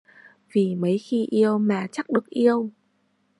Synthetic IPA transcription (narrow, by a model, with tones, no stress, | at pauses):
vi˨˩mə˨˦jxi˧ʔi˧əwmaː˨˩t͡ɕa˦˥k̚ɗɨ˨˩ək̚ʔi˧əw